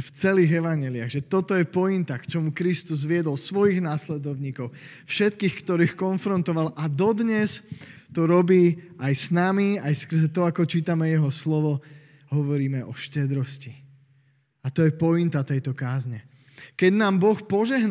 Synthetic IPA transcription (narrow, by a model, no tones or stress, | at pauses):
ft͡sɛliːɣɛʋaɲɛlɪaɣʒɛt̪ɔt̪ɔjɛpɔint̪akt͡ʃɔmukɾist̪uzʋɪɛd̪ɔlsʋɔjiɣnaːslɛd̪ɔʊɲiːkɔʊ | fʃɛt̪kiːxkt̪ɔɾiːxkɔnfɾɔnt̪ɔʋalʔad̪ɔd̪ɲɛst̪ɔɾɔbiːajsnamiajskr̩zɛt̪ɔakɔt͡ʃiːt̪amɛjɛɦɔslɔʋɔ | ɦɔʋɔɾiːmɛʔɔʃcɛd̪ɾɔsci | at̪ɔjɛpɔint̪at̪ɛjt̪ɔkaːzɲɛ | kɛɟnaːmbɔxpɔʒɛɦn